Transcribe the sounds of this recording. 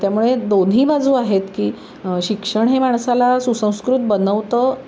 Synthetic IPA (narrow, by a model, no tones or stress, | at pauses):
t̪jamuɭed̪onɦiːbad͡zuːaɦet̪kiː | ɕikʂəɳɦemaɳ̃salasusə̃w̃skɾut̪̚bənəʋt̪əː